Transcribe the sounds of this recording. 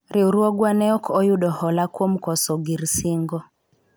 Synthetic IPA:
ɾiuɾwɔɡwanɛɔkʰɔjuɗɔhɔlakwɔm̩kɔsɔɡiɾsiŋɡɔ

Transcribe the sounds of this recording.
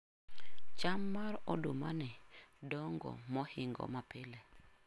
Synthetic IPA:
t͡ʃamːaɾɔdomanɪdɔŋɡɔ̰mɔhɪŋɡɔ̰mapɪle

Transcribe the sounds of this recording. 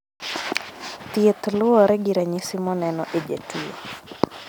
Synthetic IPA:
t̪iet̪lʊɔɾɛɡiɾaɲisɪmɔnɛnɔʔed͡ʒḛtiḛ

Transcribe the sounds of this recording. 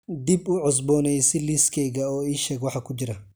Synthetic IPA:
d̪ibʊʕɔs̬bɔːnɛjsɪliskʰɛjɣɐɔːiːʃɛːɡwɑħɑkʰʊd͡ʒɪɾɐ

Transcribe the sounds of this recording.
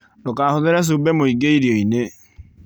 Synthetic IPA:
dokahoðɪɾɛs̬ubɛmoiɡeiɾjɔine

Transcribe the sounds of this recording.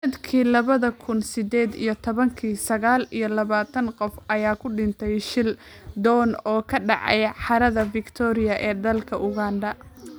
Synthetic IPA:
snɐd̪kʰiːlɐβɐðɐkʰʊnsɪd̪ɛːd̪ḭjɞt̪ʰɔβɐŋkʰiːsɐɣaːlijɞlɐβaːt̪ʰɐnqɔfʔɐjaːkʰʊɖɪnt̪ʰɛjʃɪl | d̪ɔːnɔːkʰɐɖɑ̰ʕɑ̰jħɑɾɐðɐfɪkt̪ʰɔːɾɪjɐʔɛːd̪ɐlkʰɐʔʊɣaːnɖɐ

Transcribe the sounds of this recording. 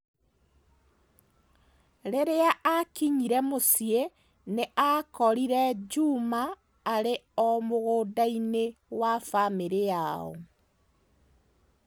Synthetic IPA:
ɾeɾeaʔakiɲiɾɛmosje | neakɔɾiɾɛd͡ʒumaː | ɾeɔmoɣoːdainewafameɾejaɔ̰

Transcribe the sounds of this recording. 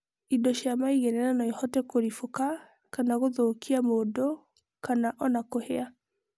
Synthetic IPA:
idoʃjamaiɣɛnɛnanɔihɔtɛkoɾifoka | kanaɣoðoːkʰiamodo | kanaʔɔnakohea

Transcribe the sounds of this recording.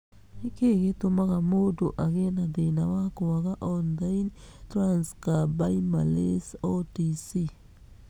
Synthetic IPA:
hikeketʊmakamodoʔaɡenadenawakowakaʔɔnlajntɾanskabajmalesotisi

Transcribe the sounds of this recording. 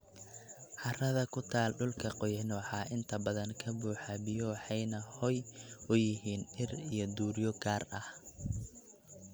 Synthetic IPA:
ħɑrɐðɐkʰʊt̪ʰaːlɖʊlkʰɐqɔjnɔːħɑʔɪnt̪ʰɐbɐðɐŋkʰɐbuːħabɪjɔħɑjnɐhɔjʔʊjɪɦiːnɪrijɞd̪uːɾjɔɡaːrɐh

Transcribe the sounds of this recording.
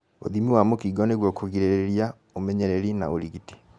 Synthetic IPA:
o̰ðimiwamokiɡɔneɣwɔkoɣiɾeɾeeɾia | omɛɲɛɾeɾina̰oɾiɣiti̥

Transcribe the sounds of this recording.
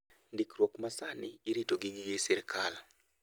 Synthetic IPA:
ndikrwokmasanɪːɾitoɡiŋjisɪɾkʰal

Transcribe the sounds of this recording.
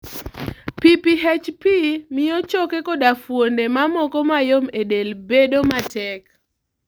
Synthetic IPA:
pipiɦɛt͡ʃpimɪjɔt͡ʃokekodafwondemamɔkɔmajomedelbedomatɛk

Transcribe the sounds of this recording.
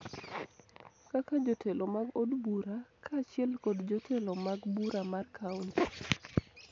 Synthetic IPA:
kakad͡ʒotʰelomaɡodbuɾakʰat͡ʃɪɛlkɔdd͡ʒotʰelomaɡbuɾamarkʰaunt

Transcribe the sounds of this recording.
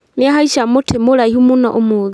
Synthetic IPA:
neaɦaiʃamotʰemoɾaihumunaʔomoði

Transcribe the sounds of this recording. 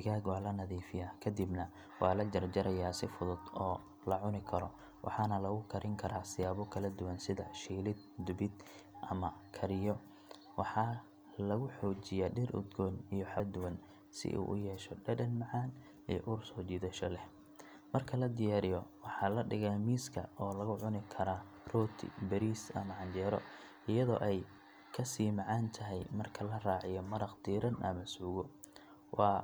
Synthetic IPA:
ɪɣaːɡwɑːlɐnɐðiːfɪjaːkʰɐd̪ibnɐ | wɑːlɐd͡ʒɐrd͡ʒɐɾʔɐjaːsɪfʊðʊd̪ɔː | lɐʕʊnɪkʰɐɾɔ | wʔɑ̰ħɑnɐlɐɣʊkʰɐɾʔɪŋkʰɐɾʔaːsɪjaːβɔkʰɐlɐd̪ʊwɐnsɪðɐ̰ʃiːlɪd̪̚d̪ʊbɪd̪ | ʔɐmɐkʰɐɾɪjɔ | wɑħɑ | lɐɣʊħɔːt͡ʃɪjaːɖɪrʔʊ̰d̪ɡɔːnijɔħɐd̪ʊwɐn | sɪ̰ʔṵːʔʊ̰jɛːʃɔɖɐdɐnmɑʕɑːn | ḭjɔ̰ʔʊrsɔːt͡ʃiːðɐʃɔlɛh | mɐrkʰɐlɐd̪ɪjaːɾɪjɔwɑħɑlɐɖɪɣamiːskʰɐ̰ɔːlɐɣʊʕʊnɪkʰɐɾaː | rɔːt̪ʰɪ̰bɛɾiːsɐ̰mɐʕɑnd͡ʒɛːɾɔ̰ | ɪjɐðɔ̰ːʔɛj | kʰɐsiːmɑʕɑːnt̪ʰɐɦɛjmɐrkʰɐlɐraːʕɪjɔmɐɾɐqd̪iːɾɐnʔɐ̰mɐsuːɣɔ | wʔɑː

